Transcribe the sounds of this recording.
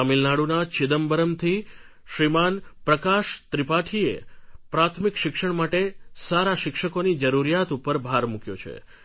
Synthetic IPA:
amilnaɽunat͡ʃɪd̪əmbəɾəmt̪ʰi | ʃɾimanpɾəkaʃt̪ɾipaʈʰiḛpɾat̪ʰmikʃɪkʃəɳ̃maʈesaɾaʃɪkʃəkonid͡ʒəɾuɾijat̪upəɾbʱaɾmukjo̰t͡ʃʰḛ

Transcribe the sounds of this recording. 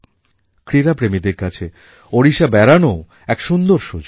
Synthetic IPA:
kɾiɾapɾemid̪eɾkat͡ɕʰe | oɾiʃabɛɾano | ɛkʃund̪oɾʃod͡ʑ

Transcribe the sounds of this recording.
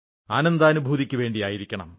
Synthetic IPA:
aːnɐnd̪aːnubʱuːðikʲːuʋe̞ːɳɖijaːjiɾikʲːɐɳɐ̰m

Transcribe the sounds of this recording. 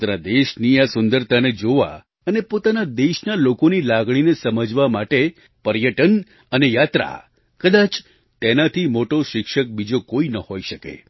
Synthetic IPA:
t̪nad̪eʃniasʊnd̪əɾt̪aned͡ʒoʋa̰ | ənepot̪anad̪eʃnalokonilaɡɽ̃inesəməd͡ʒʋamaʈe | pəɾjəʈən | ənejat̪ɾa̰ | kəd̪at͡ʃ | t̪enat̪ʰimoʈoʃɪkʃək̚bid͡ʒokoinəhoiʃəkḛ

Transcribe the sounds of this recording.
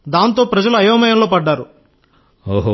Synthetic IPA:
d̪aːnt̪̬o̞ːpɾɐd͡ʒɐluɐjɐːmɐjɐmlo̞ːpɐɖːaːɾu | oɦ

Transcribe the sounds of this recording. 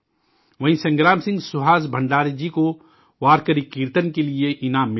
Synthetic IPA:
ʋɐɦĩsɐ̃ŋɡɾaːmsɪ̃ŋɡsʊɦaːsbʱɐ̃ɳɖaːɾid͡ʒiko | ʋaːɾkəɾikiːɾt̪ənkelieʔɪnaːmː

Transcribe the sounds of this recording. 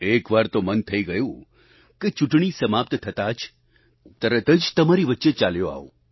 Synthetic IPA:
ekʋaɾt̪omənt̪ʰəiɡəjũ | ket͡ʃuʈɳ̃isəmap̚t̪t̪ʰət̪ad͡ʒ | t̪əɾət̪əd͡ʒt̪əmaɾiʋətːʃet͡ʃaljoa̰ʋo

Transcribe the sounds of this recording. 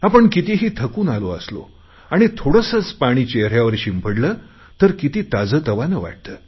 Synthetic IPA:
apəɳkit̪iɦiːt̪ʰəkuːnaloə̰slo̰ | aɽ̃it̪ʰoɽəsəːt͡spaɽ̃iːt͡ɕeɦɾjaʋəɾɕimpʰəɽləː | t̪əɾkit̪iːt̪ad͡zəːt̪əʋanəʋa̰ʈ̚t̪əː

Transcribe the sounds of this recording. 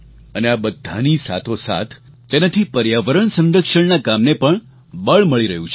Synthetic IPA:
əneabəd̪ʱːa̰nisa̰t̪ʰosa̰t̪ʰː | enat̪ʰipəɾjaʋəɾəɳsə̃nɾəkʃəɳnakamnepəɳ | bəɭməɭiɾəɦũt͡ʃʰe

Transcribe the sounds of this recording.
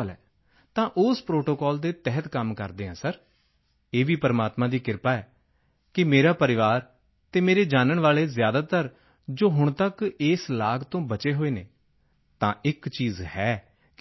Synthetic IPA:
lɛ̰ː | t̪ãːʔʊspɾoːʈoːkɔːld̪eːt̪ɛɦət̪kəmkəɾd̪eːɦãːsəɾ | eːʋiːpəɾmaːt̪mãːd̪iːkɪɾpaːɛː | kɪmeːɾaːpəɾɪʋaːɾ | t̪eːmeːɾeːd͡ʒaːnəɳʋaːleːzjaːd̪aːt̪əɾ | d͡ʒoːɦʊɳ̃t̪əkeːslaːɡt̪õːbət͡ʃeːɦoːeːneː | t̪ãːʔɪkt͡ʃiːzhɛː

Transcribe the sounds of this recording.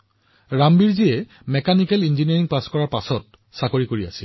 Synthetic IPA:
ɹambiɹziɛ | mɛkanikɛlinziniaɹiŋpaskɔɹaɹpasɔt̚ | sakoɹikoɹia̰sil

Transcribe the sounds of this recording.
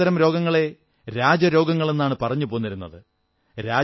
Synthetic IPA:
ɐɾɐmɾo̞ːɡɐŋːɐɭe̞ | ɾaːd͡ʑɐɾo̞ːɡɐŋːɐɭe̞nːaːɳɨpɐrɐɲːupo̞ːunːɐɾunːɐðɨ | ɾaː

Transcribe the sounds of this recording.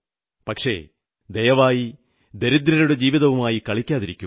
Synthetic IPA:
pɐkʂe̞̰ | d̪ejɐʋaːji | d̪eɾid̪ɾɐɾuɽe̞d͡ʑiːʋiðɐʋumaːjikɐɭikʲːaːðiɾikʲːu

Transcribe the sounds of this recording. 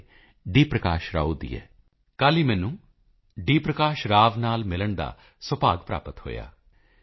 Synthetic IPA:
ɖiːpɾəkaːʃɾa̰ːuːd̪ḭːɛ̰ː | kaːliːmɛ̃ːnũː | ɖiːpɾəkaːʃɾaːʋnaːlmɪləɳd̪a̰ː | səpaːɡpɾa̰ːpət̪ho̰ːja̰ː

